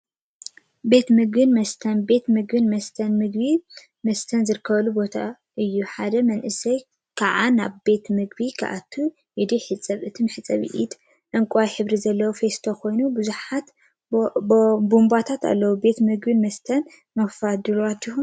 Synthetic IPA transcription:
be̞t̪mɨɡbɨnmɐst̪ʰɐnbe̞t̪mɨɡbɨnmɐst̪ʰɐnmɨɡ̚bi | mɐst̪ʰɐnzɨɾɨkʰːɐβɐlubo̞t̪ʰa | ʔɨjːuħad̪ɐmɐnʔɨsɐj | kʰaʕana̰βbe̞t̪mɨɡbikʰa̰ʔa̰t̪ʰːu | ʔɨd̪iħɨt͡sʼːɐβʔɨt̪ʰɨmħɨt͡sʼːɐβḭʔid̪ | ʔɨŋkʼajħɨβɾizɐlːɐwofe̞st̪ʰo̞kʰo̞jnubɨzuħat̪ | bumbat̪ʰat̪a̰lːɐwube̞t̪mɨɡbɨnmɐst̪ʰɐn | mɐfad̪ɨlat̪ːihu

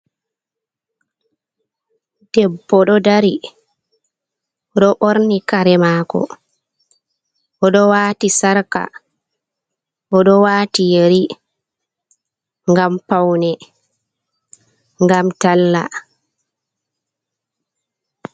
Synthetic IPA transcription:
d̥ɛbːɔɗɔdaɾi | ʔɔɗɔʔoɾnikaɾɛmaːkɔ̰ | ʔɔɗɔwaːtisaɾka̰ | ʔɔɗɔwaːtijeɾi | ŋɡampawnɛ | ŋɡamtalːa̰

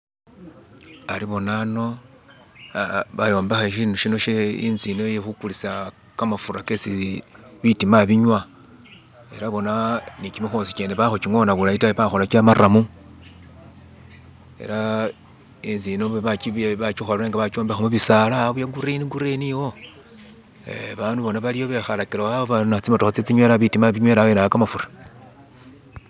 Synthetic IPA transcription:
aɾiβo̞nano̞ | βajo̞ːmbexaʃ̬iːnduʃino̞ʃeḭnzinojexukulisa | kamafuɾakesiβitimaβiɲwa | e̞ɾaβo̞nanikimixosi̥keːneβaxociŋo̞ːnaβulaitaβiβaxo̞lakamaɾamu | e̞̰ɾa | enzinoββakiβat͡ʃixolɾeŋɡaβat͡ʃoːmbexamuβisalaβujaɡuɾeniɡuɾeniwo̞ | ḛβaːnduβo̞naβalijo̞βexalakiɾawaβoβanat͡simotoxat͡set͡siɲweɾaβitimaβiɲweɾawenakamafuɾa

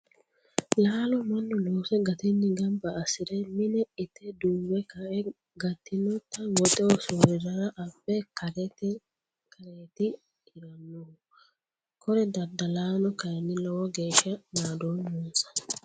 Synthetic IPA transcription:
laːlɔmɐnːɔloːsɛɡɐt̪ɛnːɪɡɐmbɐːsɪd̪ɛmɪnɛɪt̪ʰːɛd̪ʊmbɛkɐʔɛ | ɡɐt̪ːɪnɔt̪ːɐwɔt̪ʼɛwɔsuːɾɪɾɐɾɐʔɐbːɛkɐɾt | kʰɐɾeːt̪ɪ | hɪɾɐnːɔhʊ | kʰɔɾɛd̪ɐd̪ːɐlaːnɔkɐjɛnːɪlɔwɔɡeːʃɐnaːd̪oːnunsɐ̥

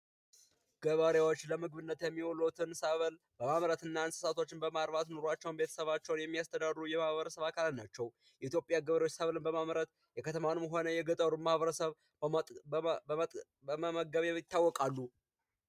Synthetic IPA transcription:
ɡ̥əβəɾjewo̞t͡ʃːləmɨɡβɨnːət̪jɛmːiwolut̪ʰɨnsəβəl | b̥əmamɾət̪ɨnːansɨ̥sat̪ʰo̞t͡ʃːɪnbəmaɾβat̪no̞ɾat͡ʃːɛwnbe̞t̪ʰə̥səβat͡ʃːɛwnjɛmːijast̪ʰəd̪adɾujɛmahβəɾəsəβakʰalnat͡ʃːɛw | jɛit̪jo̞pʼjaɡəβəɾewot͡ʃːsəβlɨnbəmamɾət̪ | jɛkʰət̪ʰəmanɨmɦo̞nəjɛɡət̪ʼəɾumahβəɾəsəβ | bəməməɡəβejɪt̪ːawːɔkʼalːu

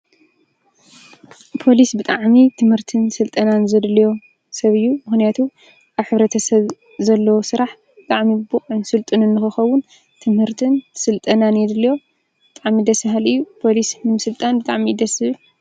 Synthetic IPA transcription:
pʰo̞lisbɨt̪ʼaʕmit̪ʰɨmhɨɾt̪ʰɨnsɨlt̪ʼɐnanzɐd̪lɐjo̞ | sɐβɨjːumɨxnijat̪ʰu | ʔaβħɨβɾɐt̪ʰɐsɐβ | zɐlːɐwosɨɾaħ | bɨt̪ʼaʕmibuχʼɨnsɨlt̪ʼɨnɨnːɨxɨxɐwʊn | t̪ʰɨmhɨɾt̪ʰɨnsɨlt̪ʼɐnanjɛd̪ɨlɐjo̞ | b̥ɨt̪ʼaʕmid̪ɐsɨɦalɨjːupʰo̞lisnɨmɨsɨlt̪ʼanbɨt̪ʼaʕmid̪ɐsɨ

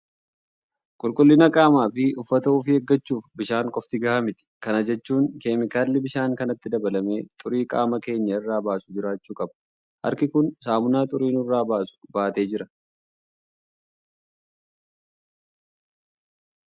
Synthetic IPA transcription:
kʼʊlkʼʊlːɪnɐkʼaːmaːfɪʊfːɐt̪ɐuːfɪheɡːɐt͡ʃːuːfbɪʃaːŋkʼɔft̪ɪɡɐʔɐmɪt̪ɪ̥kɐnɐd͡ʒɛt͡ʃːuːŋkeːmɪkaːlːɪbɪʃaːŋkɐnɐt̪ːɪd̪ɐbɐlɐme̞ːt̪ʼʊɾiːkʼa̰ːmɐke̞ːɲːɐɪrːaːbaːsʊ̥d͡ʒɪɾaːt͡ʃːuːkʼɐbɐ̥ | hɐ̰ɾkɪkʊnsaːmʊnaːt̪ʼʊɾiːnɪrːaːbaːsʊ̥baːt̪e̞ːd͡ʒɪɾɐ

